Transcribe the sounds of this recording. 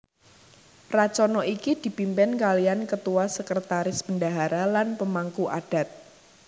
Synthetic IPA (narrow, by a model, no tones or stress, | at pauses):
rat͡ʃɔnɔikid̪̥i̤pimpɪnkaliankət̪uwasəkɾət̪aɾɪspəndaɦaɾalanpəmaŋkuʔad̥a̤t̪̚